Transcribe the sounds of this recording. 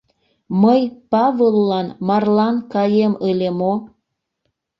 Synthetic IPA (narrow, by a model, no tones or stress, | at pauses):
məjpɑvolːɑnmɑrlɑnkɑjeməlemo